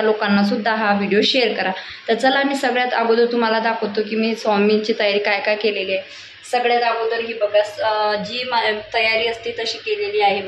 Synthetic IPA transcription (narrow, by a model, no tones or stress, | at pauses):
lokanːasud̪ʱːaɦaʋiɽijoɕeəɾkəɾa | t̪əɾt͡səlamiːsəɡɭjat̪aɡod̪əɾt̪um̤alad̪akʰəwt̪okiːmiːsɔmint͡ɕiːt̪əjaɾiːkajkajkelelia | səɡɭjat̪aɡod̪əɾɦiːbəɡad͡ʑiːmt̪əjaɾiːəst̪iːt̪əɕiːkeleliːaɦib